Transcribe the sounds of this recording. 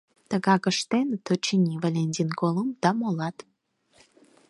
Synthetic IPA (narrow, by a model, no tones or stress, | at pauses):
t̪ə̆ɣɑkə̆ʃt̪ent̪ot͡ɕinʲivalʲenʲt̪ʲinkolˠəmd̪̥ɑmolˠɑt̪